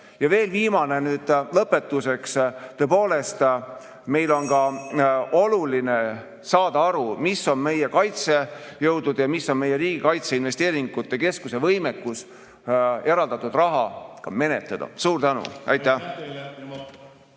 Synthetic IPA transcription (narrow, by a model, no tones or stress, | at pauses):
jɑve̞ːlviːmɑne̞nyːd̪̥lɤpːe̞t̪ːˑuse̞kst̪øpoːle̞st̪ | me̞jlo̞nkɑʔo̞luline̞ | sɑːd̪̥ɑɑɾumisːo̞nme̞jekɑjt̪se̞jɤwd̪ud̪̥jɑmisːo̞nme̞je̞ɾiːɡ̥ikɑjt̪seinve̞st̪e̞ːɾiŋɡ̥ut̪ːˑe̞ke̞skuse̞vɤjmekːˑus | e̞ɾɑld̪ɑt̪ːud̪̥rɑɦɑkɑme̞ne̞t̪ːˑɑd̪ɑ̰suːɾt̪ænṵʔɑ̰jt̪ːˑæh